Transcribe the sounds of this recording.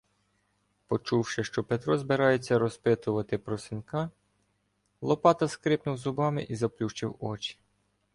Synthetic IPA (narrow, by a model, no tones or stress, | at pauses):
pɔt͡ʃuwʃɪʃt͡ʃɔpet̪ɾɔzbeɾɑjet͡sʲːɐɾɔspɪt̪ʊʋɐt̪ɪpɾɔsɪnʲkɑ | lˠɔpɑt̪ɐskɾɪpnʊwzʊbɑmɪʔizɐplʲuʃt͡ʃɪwɔt͡ʃi̥